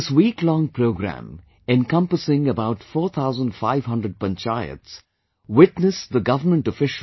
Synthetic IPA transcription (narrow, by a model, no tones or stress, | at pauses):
ɪswiːklɔ̃ŋpʰɾoʊɡɾæ̰̃m | ɛ̃nkʌ̃mpəsɪ̃ŋəbaʊʈfɔːt̪ʰaʊzə̃nɖfaɪv̥ɦʌ̃ndɾəɖ̚pə̃nt͡ʃaɪə̰ts | wɪʈnəsd̪əɡʌvəmə̃nʈɔfɪʃ